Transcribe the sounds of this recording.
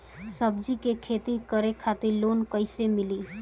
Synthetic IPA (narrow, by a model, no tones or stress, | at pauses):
səbd͡ʒikekʰeːt̪ikəɾekʰat̪iɾloːnkəɪsemɪliː